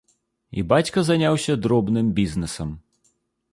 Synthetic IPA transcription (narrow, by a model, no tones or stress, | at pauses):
ḭbat͡sʲkɐzanʲawsʲɐd̪ɾɔbnɨmbʲiznɨsɐm